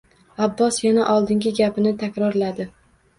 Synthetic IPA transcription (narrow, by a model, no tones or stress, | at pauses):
abːɒsjanaʔɒlˠd̪ɪŋɡʲɪɡʲapɪnɪt̪ʰakʲɾɒɾlad̪ɪ